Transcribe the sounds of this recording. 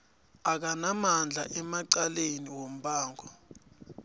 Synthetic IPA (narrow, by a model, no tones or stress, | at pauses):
ak̬anamand͡ɮʱa̰ʔɛmaǀaleniwom̩ɓaːŋʱɔ